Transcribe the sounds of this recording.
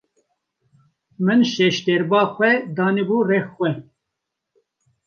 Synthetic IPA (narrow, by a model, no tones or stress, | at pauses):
mɨnʃɛʃt̪ɛɾbɑːxʷɛd̪ɑːnɛbuːrɛxxwɛ